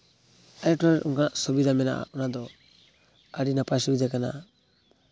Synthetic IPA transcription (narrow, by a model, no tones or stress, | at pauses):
ajtɔaṵŋkanaʔsɔbid̪amɛna̰ʔa̰ɔnad̪ɔ | aɾinapajsɔbid̪akana̰